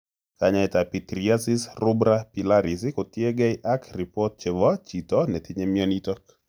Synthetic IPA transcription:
kaɲaɛtapitɾiasisrʊbɾapilaɾisikotjeɡɛɪʔakripɔt̚t͡ʃɛvɔt͡ʃitɔnɛt̪ʰɪɲemjɔnitɔk

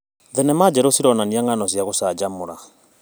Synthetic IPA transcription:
ðɛnɛmad͡ʒɛɾosiɾɔnaniaŋanɔsjaɣosaːd͡ʒamoɾa

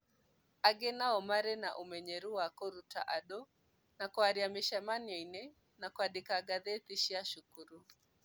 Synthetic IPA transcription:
aɡɛnaɔmaɾɛna̰ʔumɛɲɛɾuwakɔɾuta̰ʔaɗɔ | nakwaɾiamiʃamaniɛinɛ | nakwaɗikaɡaðɛt̪iʃiaʃukuɾu

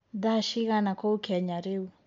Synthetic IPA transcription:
daʃiɣanakoukɛɲaɾeu

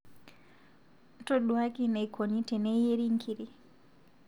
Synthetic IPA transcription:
tɔɗuwakinajkʰonitɛnɛjeɾiŋkʰiɾi

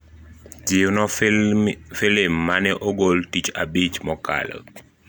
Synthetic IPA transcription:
d͡ʒiwnɔ | felemːanɛʔɔɡoltit͡ʃa̰bit͡ʃmɔka̰lə̰

